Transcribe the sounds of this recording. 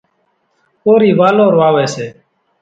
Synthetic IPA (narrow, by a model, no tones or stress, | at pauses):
koːɾiːʋaːloːɾʋaːʋɛːseː